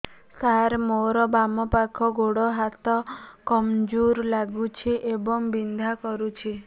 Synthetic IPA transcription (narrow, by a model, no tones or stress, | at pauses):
saɾmoɾɔbamɔpakʰɔɡoɽɔɦat̪ɔkɔmd͡ʒuɾlaɡut͡ʃʰiʔebɔŋbind̪ʱakɔɾut͡ʃʰi